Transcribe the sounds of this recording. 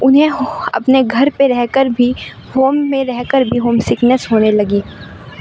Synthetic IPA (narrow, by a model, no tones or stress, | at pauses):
ʊnɦẽɐ̰pneɡʱɐɾpeɾɛɦkəɾbʱi | hoːmːẽɾɛɦkəɾbʱiɦoːmsɪknəsɦoːnelɐɡiː